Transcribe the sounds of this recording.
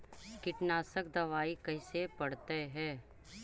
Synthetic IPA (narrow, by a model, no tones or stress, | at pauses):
kɪʈnaːsəkd̪ɐʋaːikɐisepɐɽt̪eɦɛː